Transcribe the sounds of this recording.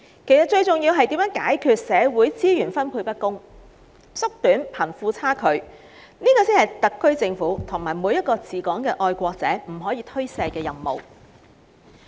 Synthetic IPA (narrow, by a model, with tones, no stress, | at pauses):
kʰe˨˩jsɐ˨t̚t͡ʃɵ˧ɥt͡sʊ˨ŋjiː˧wɦɐ˨jt̪iː˨˥mjœː˨˥ŋkaː˨˥jkʰyː˧t̚sɛː˨˧wuː˨˥jt͡siː˥jyː˨˩nfɐ˥npʰuː˧jpɐ˥t̚kʊ˥ŋ | sʊ˥k̚t̪yː˨˥npʰɐ˨˩nfuː˧t͡sʰaː˥kʰɵ˨˧ɥ | niː˥kɔː˧siː˥hɐ˨jt̪ɐ˨kːɵ˥ɥt͡sɪ˧ŋfuː˨˥t̪ʰʊ˨˩ŋmaː˨˩jmuː˨˧jɐ˥t̚kɔː˧t͡siː˨˩kɔː˨˥ŋkɛː˧ʔɔː˧jkʷɔː˧k̚t͡sɛ̰ː˨˥m̩˨˩ɦɔː˨˥jiː˨˧t̪ʰɵ˥ɥsɛː˧jkɛː˧jɐ˨mːo̰˨w